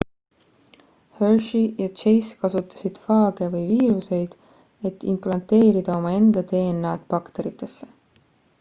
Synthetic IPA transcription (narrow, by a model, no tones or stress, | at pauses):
hørʃijɑt͡ʃe̞jskɑsut̪ːˑɑ̥sid̪̥fɑːɡ̥e̞vɤjviːɾuse̞jd̪̥ | e̞t̪ːˑimplɑnt̪e̞ːɾid̪̥ɑo̞mɑe̞nd̪̥ɑt̪e̞ːnːɑːd̪̥̚pɑkt̪e̞ɾit̪ːˑe̞sːe